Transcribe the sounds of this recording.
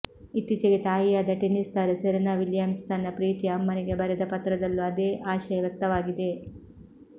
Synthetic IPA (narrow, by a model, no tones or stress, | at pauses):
it̪ːit͡ʃeɡet̪aːjijaːd̪ɐʈenist̪aːɾɐsɛɾɐnaːʋiljaːmst̪ʰaːnɐpɾiːt̪iɐmːɐnɛɡebɐɾɛd̪ɐpɐt̪ɾɐd̪ɐlːuɐd̪eːʔaːʃɐjɐʋjɐk̚t̪ɐʋaːɡid̪e̞